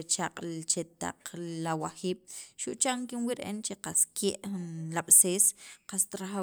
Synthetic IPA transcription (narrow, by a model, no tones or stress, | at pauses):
t͡ʃaqʼlt͡ʃet̪a̰qlawaxiːɓ̥ʃuʔt͡ʃaŋkinwiʔɾeʔḛnt͡ʃeqaskʰeːʔnlaɓ̥seːsqast̪ɾaχa